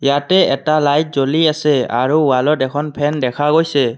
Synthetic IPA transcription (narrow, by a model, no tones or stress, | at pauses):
jatɛɛtalajt̚zoliasɛa̰ɹuʊwalɔdɛkʰɔnpʰɛndɛkʰaɡojsɛ